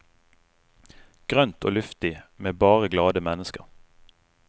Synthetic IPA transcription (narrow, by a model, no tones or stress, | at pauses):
ɡ̥ʁœnt̪ʰo̰ːlʉft̪ɪmeːbɑːʁəɡlɑːd̪əmɛnəskə̰ʁ